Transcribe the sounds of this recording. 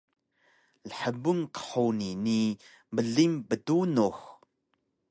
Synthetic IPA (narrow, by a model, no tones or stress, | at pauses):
ləħəbuŋkə̥ħownini | mbəɮimbətunox